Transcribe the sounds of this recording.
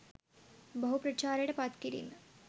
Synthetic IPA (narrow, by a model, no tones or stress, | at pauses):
bɐɦupɾɐt͡ʃaːɾeɽɐpat̪kiɾḭnɐ